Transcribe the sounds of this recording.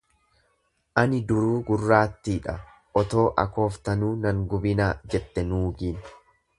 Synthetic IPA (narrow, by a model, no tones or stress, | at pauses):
ʔɐnɪd̪ʊɾuːɡʊrːaːt̪ːiːᶑɐ | ʔɔt̪o̞ːʔɐ̰ko̞ːft̪ɐnuːnɐŋɡʊbɪnaːd͡ʒɛt̪ːɛnuːɡiːn